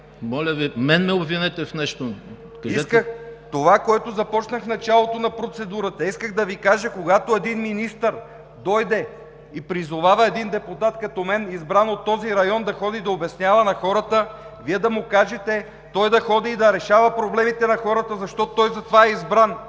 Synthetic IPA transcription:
mɔlʲəvimɛnmɛobvinɛt̪ɛfnɛʃt̪o | kɐiskkəxt̪ovakoɛt̪ozɐpɔt͡ʃnəxnɐt͡ʃalˠot̪onɐpɾot̪sɛd̪uɾət̪ɐiskəɣd̪ɐvikaʒəkoɡat̪oɛd̪inminist̪əɾ | d̪ɔjd̪ɛ | ipɾizovavəɛd̪ind̪ɛput̪at̪kɐt̪ɔmɛnizbɾanot̪ːɔziɾɐjɔnd̪ɐxɔd̪id̪ɐobɛsnʲjavɐnɐxɔɾət̪ə | viɛd̪ɐmʊkaʒɛt̪ɛ | t̪ɔjd̪ɐxɔd̪iːd̪ɐɾɛʃavɐpɾoblɛmit̪ɛnɐxɔɾət̪əzɐʃt̪ɔt̪ɔjzɐt̪ovaɛizbɾan

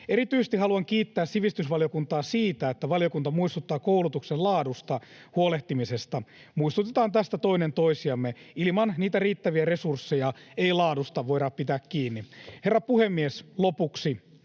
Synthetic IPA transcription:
eɾit̪yise̥st̪ihɑluɑŋkiːt̪ːæːssiʋist̪ysʋɑlijokunt̪ɑːsiːt̪æet̪ːæʋɑlijokunt̪ɑmuist̪ut̪ːɑːkoulut̪uksellɑːdust̪ɑ | huoleht̪imisest̪ɑ | muist̪ut̪et̪ɑːnt̪æst̪æt̪o̞inent̪oisiɑmːeilimɑnniːt̪æriːt̪ːæʋiæresursːejɑeilɑːdust̪ɑʋoiɾɑppit̪æːkkiːnːiherːɑpuhemːieslopuksi

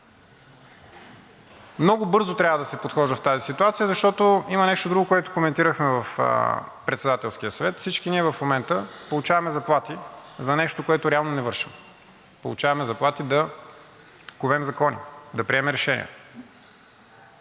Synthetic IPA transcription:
mnɔɡʊbɤɾzot̪ɾʲjavəd̪ɐsɛpot̪xɔʒdəft̪azisit̪uat̪sijəzɐʃt̪ɔt̪oimɐnɛʃt̪od̪ɾuɡokoɛt̪okomɛnt̪iɾəxmɛvəfpɾɛt̪sɛd̪at̪ɛlˠskiəsɐvɛt̪fsit͡ʃkiniɛvɐfmomɛnt̪əpolˠut͡ʃavɐmɛzɐplˠat̪izɐnɛʃt̪okoɛt̪ʊɾɛalˠnonɛvɤɾʃim | po̰lˠut͡ʃavɐmɛzɐplˠat̪id̪ɐ | kovɛmzɐkɔnḭd̪ɐpɾiɛmɛɾɛʃɛnḭə̰

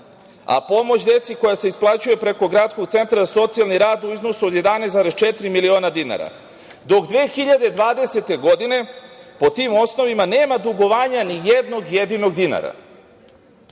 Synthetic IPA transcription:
a̰po̞mo̞t͡ɕd̪e̞t̪siko̞jase̞isplˠat͡ɕuje̞pɾeko̞ɡɾat̪sko̞ɡt̪se̞nt̪ɾazaso̞t̪sialniɾaːd̪uizno̞suod̪je̞d̪anesaɾest͡ʃet̪ɾimilio̞ːnad̪ina̰ɾa̰ | d̪o̞kd̪ʋeːxiʎad̪e̞d̪ʋaːd̪e̞se̞t̪e̞ɡo̞d̪ine̞po̞t̪imo̞sno̞ʋimane̞ːmad̪uɡo̞ʋaːɲanijed̪no̞ɡjed̪ino̞ɡd̪ina̰ɾa̰

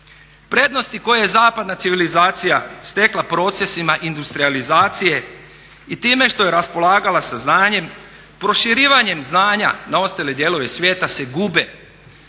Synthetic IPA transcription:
pɾe̞ːd̪no̞st̪iko̞jejezaːpad̪nat̪siʋilizaːt̪sijast̪e̞klˠapɾo̞ːt̪se̞simaʔind̪ust̪ɾializaːt̪sije̞ | it̪iːme̞ʃt̪o̞jeɾaspo̞lˠaːɡalasaznaːɲe̞m | pɾo̞ʃiɾiːʋaɲe̞mznaːɲa̰nao̞st̪aled̪je̞ːlo̞ʋe̞sʋje̞ːt̪ase̞ɡube̞

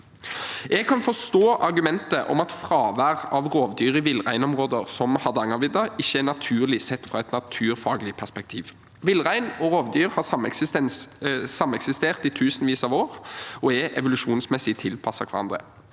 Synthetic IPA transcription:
ɛɡ̚kʰɑnfɔst̪oːʔɑɾɡʉmɛnt̪əʔɔ̰mɑt̪fɾɑːʋæʁɑʋʁoːʋd̪yːʁɪʋɪlːʁæɪnɔmʁoːd̪əʁsɔmhɑd̪əɑŋɑʋɪd̪ɑɪçːəɛnɑt̪ʰʉːʁlɪsɛt̪ːfɾɑɛt̪nɑt̪ʰʉːʁfɑːɡlɪpʰæʁspɛk̚t̪ʰiːʋ | ʋɪlʁæɪnɔʁoːʋd̪yːʁhɑːsɑmːɛksɪst̪ɛnssɑmːəɛksɪst̪eːʁt̪ɪt̪ʰʉːsənʋiːsɑʋoːʁɔɛʔɛ̰ʋʊlʉʂuːnsmɛsɪt̪ʰɪlpʰɑsːɑkʰʋɑɾɑ̰nd̪ʁə̰

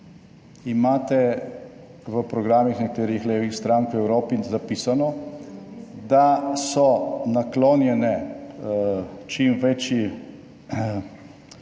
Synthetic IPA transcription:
imaːt̪ɛ | ʋəpɾɔɡɾaːmixnɛkat̪eːɾixleːʋixst̪ɾaŋkwɛwɾoːpizapiːsanɔ | d̪asɔnakloːnjɛnɛ | t͡ʃimʋɛt͡ʃji

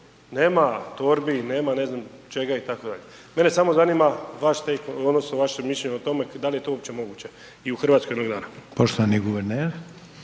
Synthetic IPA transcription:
neːmat̪oɾbine̞ːmane̞znamt͡ʃe̞ɡait̪ako̞d̪a̰ʎe | me̞nesamo̞zanimaʋaʃt̪ekod̪nosnoʋaʃemiʃʎʲeɲot̪o̞me̞d̪alijet̪oopt͡ɕemo̞ɡuːt͡ɕe | iuxr̩ʋat̪kojd̪noɡd̪a̰ːnapoʃt̪oʋaniɡuʋeɾneɾ

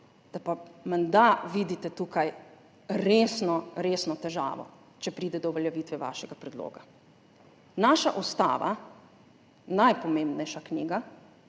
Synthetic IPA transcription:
d̪̥apamɛnd̪aʋid̪it̪ɛt̪uːkaj | ɾeːsnɔɾeːsnɔt̪ɛʒa̰ːʋɔ̰ | t͡ʃɛpɾiːd̪ɛd̪ɔʋɛljɛʋiːt̪ʋɛʋa̰ːʃɛɡapɾɛd̪lo̰ːɡa | naːʃa̰ʔɔst̪a̰ːʋa̰ | najpɔmẽmbnɛjʃaknḭːɡa

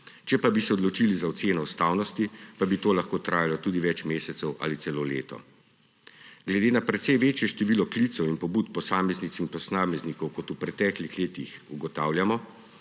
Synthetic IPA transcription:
t͡ʃɛpabisɛɔd̪lɔt͡ʃilizaɔseːnɔust̪aːwnɔst̪ipabit̪oːlaxkoːt̪ɾʔaːjalɔt̪uːd̪iʋɛt͡ʃmeːsɛt̪sɛwʔa̰ːlit̪sɛloːleːt̪ɔ̰ | ɡ̥lɛd̪eːnapɾɛt̪sɛjʋeːt͡ʃjɛʃt̪ɛʋiːlɔklit̪sɔwinpɔbuːt̪pɔsaːmɛznit̪sinpɔsnaːmɛznikɔwkɔt̪upɾɛt̪ɛklixleːt̪ixuɡɔt̪aːwljamɔ

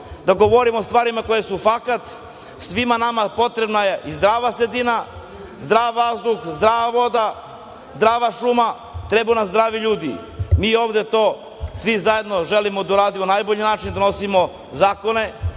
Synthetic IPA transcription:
d̪aɡoʋo̞ɾimost̪ʋaːɾimako̞jesufakat̪ | sʋimanamapo̞t̪ɾe̞bnaje̞ʔizd̪ɾaːʋasɾed̪ina | zd̪ɾaːʋazd̪uxzd̪ɾaːʋaʋo̞d̪a | zd̪ɾaːʋaʃuma | t̪ɾebunamzd̪ɾaːʋiʎuːd̪ḭmio̞ːvd̪e̞t̪o̞ː | sʋizaje̞d̪no̞ʒelimod̪auɾaːd̪imonajboʎinaːt͡ʃind̪ano̞simo | zaːkone̞

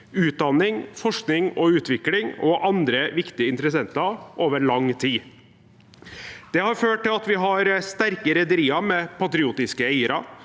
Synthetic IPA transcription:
ʉːt̪̚d̪ɑnːɪŋfɔʂknɪŋɔʉːt̪ʰʋɪklɪŋɔʔɑnd̪ɾəʋɪkt̪ɪəɪnt̪ɾəsɛnt̪ɑʔoːʋəɾɭɑŋt̪ʰiː | d̪̥ɛhɑɾføːʈʈːɪlɑt̪ʋɪɦɑɾst̪æɾkəɾɛd̪əɾiːɑmɛpɑt̪ɾɪuːt̪ɪskəæɪəɾɑ

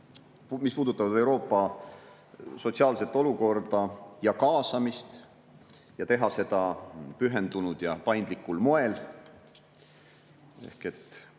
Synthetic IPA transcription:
mispuːd̪ut̪ːˑɑvɑd̪e̞wɾo̞ːpˑːɑ | so̞t̪siɑːlse̞t̪ːˑo̞luko̞rd̪̥ɑjɑkɑːsɑmist̪ | jɑt̪e̞ɦɑse̞d̪̥ɑpyɦe̞nd̪̥unud̪̥jɑpɑjnd̪likːˑulmo̞e̞l | e̞̰hke̞t̪ː

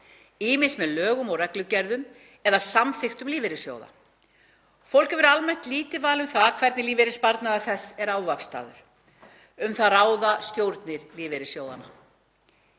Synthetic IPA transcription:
iːmɪsmɛðlœːɣʏmɔɣrɛklʏcɛɾðʏm | ɛðasamθɪxt̪ʏmliːvɪɾɪsjo̰ːwða̰ | fowl̥kɪvʏɾalmɛnt̪liːt̪ɪvaːlʏmθaðkʰvɛɾt̪nɪliːvɪɾɪspaɾt̪naaθɛsɛɾawvakst̪a̰ːðʏɾ̥ | ʏmθaðɾaːwðast̪jowɾt̪nɪɾliːvɪɾɪsjoːwða̰na

